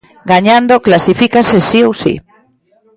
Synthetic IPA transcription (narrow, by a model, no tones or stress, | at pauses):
ɡaɲãnd̪oklasifikasesiowsḭ